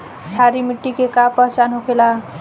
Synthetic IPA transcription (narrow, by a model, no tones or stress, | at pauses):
t͡ʃʰaɾimiʈːikekapʌsanɦokʰela